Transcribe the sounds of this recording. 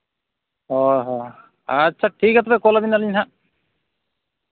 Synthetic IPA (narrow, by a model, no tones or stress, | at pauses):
ɦɔɦɔ | atːt͡ʃʰaʈʰikat̪ʰɔbɛkɔlabinaliɲɦã